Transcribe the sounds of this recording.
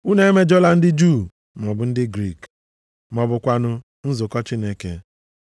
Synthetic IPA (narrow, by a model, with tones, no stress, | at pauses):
u˦ne˦e˦me˦d͡ʒɔ˦la˦n̩˦dɪ˦d͡ʒu˦˨ | mɔ˨bʊ˨n̩˦dɪ˦ɡɾi˦˨k | mɔ˨bʊ˨kʷa˨nʊ˦ | n̩˦zʊ˨kɔ˦t͡ʃi˦ne˦ke˦